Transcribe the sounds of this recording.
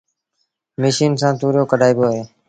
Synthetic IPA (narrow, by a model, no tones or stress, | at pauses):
meʃiːnsãːt̪uːɾjoːkəɖʱaːiːbjoːɦeː